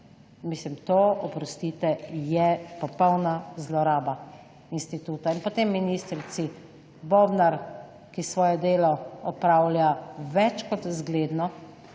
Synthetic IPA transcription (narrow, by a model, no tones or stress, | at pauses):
mislimt̪oɔpɾɔst̪iːt̪ɛjɛpɔpɔwnazlɔɾaːba | inst̪it̪uːt̪ainpɔt̪emːinist̪ɾit̪si | bobnaɾ | kisʋɔːjɛd̪eːlɔɔpɾaːwljaʋɛt͡ʃkɔt̪zɡleːd̪nɔ